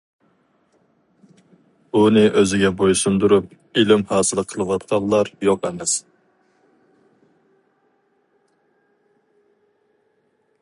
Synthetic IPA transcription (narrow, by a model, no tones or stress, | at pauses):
unɨʔøzɪɡʲɛbojsumd̪uɾup̚ | ilɪmhɑːsɨlˠqʰəlˠɨwɑt̪̚qʰɑnˠlˠɑɾjoqɛmɛs